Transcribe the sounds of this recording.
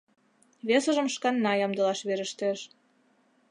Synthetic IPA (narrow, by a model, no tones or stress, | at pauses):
βesə̆ʒə̆mʃkɑnːɑjɑmd̪ɤ̆lɑʃβeɾə̆ʃt̪ĕʃ